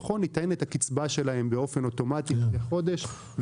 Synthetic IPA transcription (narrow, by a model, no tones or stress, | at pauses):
χo̞nit̪enet̪akit͡sbaʃe̞lae̞mbeo̞fe̞no̞t̪o̞mat̪iχo̞d̪e̞ʃ | v